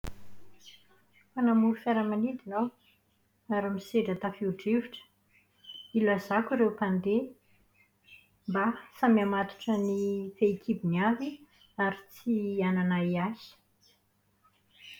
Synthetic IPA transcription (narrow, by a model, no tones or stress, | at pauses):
fanamuɾfaɾəmanid̪inaw | aɾamiseɖ͡ʐat̪afiuɖ͡ʐeviʈ͡ʂə̥ | ilazakiɾewpand̪e | mbasamiamat̪u̥ʈ͡ʂənifeikʰibiniavi | aɾit͡siananaiazi̥